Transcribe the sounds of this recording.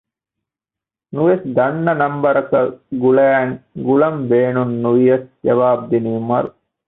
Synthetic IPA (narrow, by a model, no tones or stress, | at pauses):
nuʋesd̪ɐnːɐnɐmbɐɾɐkɐɡulæːŋɡulɐmbeːnunːuʋijɐsd͡ʒɐʋaːb̚d̪inijumɐɾu